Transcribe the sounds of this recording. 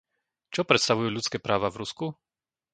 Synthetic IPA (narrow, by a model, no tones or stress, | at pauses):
t͡ʃɔpɾɛt̪st̪aʋujuːʎut͡skɛːpɾaːʋavɾusku